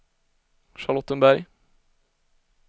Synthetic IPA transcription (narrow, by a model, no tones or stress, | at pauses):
ʃɑɭɔt̪ənbæɾ